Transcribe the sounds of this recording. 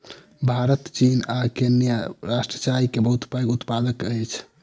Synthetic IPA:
bʱaɾət̪t͡ʃinakenjaɾasʈɾət͡ʃaɾikebəɦut̪paɡut̪pad̪əkəjt͡ʃʰ

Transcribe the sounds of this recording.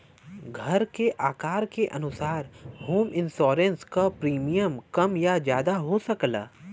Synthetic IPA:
ɡʱɐɾkeʔaːkaːɾkeʔɐnʊsaːɾhoːmɪ̃nsɔːɾə̃nskapɾiːmijəmkɐmjad͡ʒjaːd̪aɦosɐkla̰ː

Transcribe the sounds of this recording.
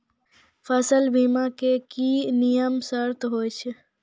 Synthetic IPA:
pʰəsəlbimakekinijəmsəɾt̪ɦojt͡ʃʰe

